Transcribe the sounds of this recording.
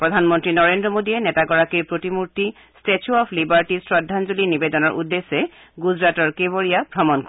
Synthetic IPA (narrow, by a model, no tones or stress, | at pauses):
pɹɔd̪ʱanmɔntɹinɔɹendɹɔmodiɛnɛtaɡɔɹakiɹpɹotimuɹti | stet͡ʃʰuɔpʰlibaɹʈisɹɔdʱːanzulinibedɔnɔɹʔudːesːɛ | ɡuzɹatɔɹkeboɹijabʱɔmɔnk